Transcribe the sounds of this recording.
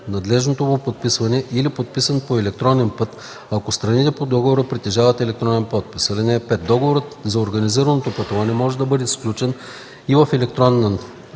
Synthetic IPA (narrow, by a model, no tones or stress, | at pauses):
nɐd̪lɛʒnot̪omopot̪̚pisvɐnɛʔilipot̪̚pisɐnpoɛlɛk̚t̪ɾɔnɛnpɤt̪ | ɐkost̪ɾɐnit̪ɛpod̪ɔɡovoɾəpɾit̪ɛʒavɐt̪ɛlɛk̚t̪ɾɔnɛnpɔt̪̚pi̥sɐlinɛpɛt̪̚d̪ɔɡovoɾət̪zɐoɾɡɐniziɾɐnot̪opət̪ovˠanɛmɔʒɛd̪ɐbɤd̪ɛsklʲut͡ʃɛn | ivɐfɛlɛk̚t̪ɾɔn